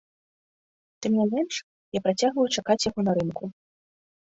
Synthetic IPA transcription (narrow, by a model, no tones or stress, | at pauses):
t̪ɨmnʲɛmʲɛnʂ | japɾat͡sʲaɣvɐjut͡ʂakat͡sʲjaɣɔnaɾɨmku